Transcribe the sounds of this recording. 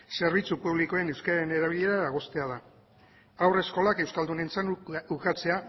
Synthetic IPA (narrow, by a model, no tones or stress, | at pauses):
se̞ɾβit͡supuβliko̞e̞ne̞wskaɾaɾene̞ɾaβ̞iʎe̞ɾaðaɣo̞st̪e̞aða | awre̞sko̞lake̞wskald̪une̞nt͡sanukat͡se̞a